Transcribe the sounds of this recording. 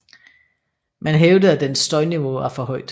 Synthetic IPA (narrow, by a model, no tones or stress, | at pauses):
mænɦeʊdəðˠæd̥ensːd̥ɒ̽ɪniʋo̝ɑfɒɦɒɪ̰d̥